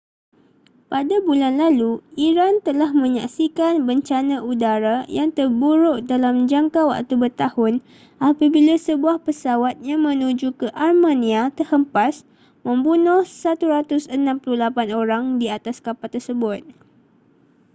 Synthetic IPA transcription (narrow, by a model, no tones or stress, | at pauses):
padabulanlaluiɾant̪əlahmə̃ɲa̰ksikanbəɲt͡ʃanãʔudaɾajaŋt̪ərbuɾʊʔdalamd͡ʒaŋkawa̰ʔt̪ubərt̪ahʊn | ʔapabilasəbuahpəsawat̪̚jaŋmə̃nũd͡ʒukəʔarmãnĩat̪ərhəmpas | mə̃mbunʊhsat̪uɾat̪ʊsənãmpuluhlapanoɾaŋdiat̪askapat̪ːərsəbʊt̪̚